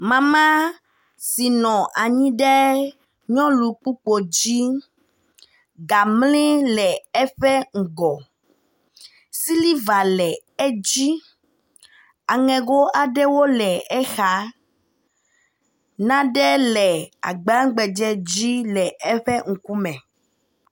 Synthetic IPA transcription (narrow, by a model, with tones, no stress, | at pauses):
mã˨mã˦ | si˨nɔ̃˨ʔa˨ɲĩ˦ɖɛ˦ | ɲɔ̃˦lu˨k͡pu˦k͡po˨d͡ʑi˦ | ɡa˨mlĩ˦lɛ˨ɛ˦ɸɛ˦ŋ̩˨ɡɔ˨ | si˦li˦va˨lɛ˨ | ɛ˦d͡ʑi˦ | a˨ŋɛ̃˨ɡo˦ʔa˨ɖɛ˦wo˦lɛ˨ɛ˦xa˨ | nã˦ɖɛ˦lɛ˨a̰˨ɡ͡ba˦ŋ̩˦ɡ͡bɛ˨d͡ʒɛ˦d͡ʑi˦lɛ˨ʔɛ˦ɸɛ˦ŋ̩˨ku˦mɛ̃˨